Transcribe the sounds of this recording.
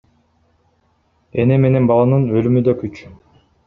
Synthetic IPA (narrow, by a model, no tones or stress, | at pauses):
eneme̞ne̞nbɑlˠɑnɯnølymyd̪økyt͡ʃ